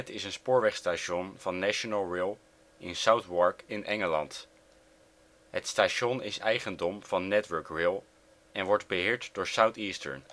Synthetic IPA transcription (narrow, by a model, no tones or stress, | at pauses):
ɛtɪsənspʊːɹʋɛχstaːʃɔnv̥ɑnːaʃonalˠɹɪːlˠ | ʔɪ̰nsawtwɑɹkɪnʔɛŋəlɑ̰nt | ɦətstaːʃɔnɪsɛjχəndɔmv̥ɑnːɛtʋəɹkrɪːlˠ | ɛnʋɔɹdbəɦɪːɹtd̥ʊːɹsawtiːstə̰ɹn